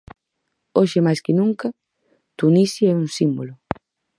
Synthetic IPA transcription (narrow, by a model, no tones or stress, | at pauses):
oʃɪmajskɪnũŋkɐ | t̪unisjɛuŋsimbolʊ